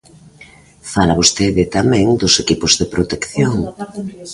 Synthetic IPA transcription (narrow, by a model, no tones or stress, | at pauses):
falaβost̪eðɪt̪amɛ̃ŋd̪ʊsekipʊzðepɾot̪ekθjoŋ